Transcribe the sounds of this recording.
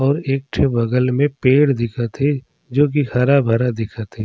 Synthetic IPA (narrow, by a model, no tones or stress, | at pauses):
ɔːɾeːk̚ʈʰebɐɡəlmẽpeːɽd̪ɪkʰət̪ɦe | d͡ʒoːk̬ixɐɾabʱɐɾad̪ɪkʰət̪ɦeː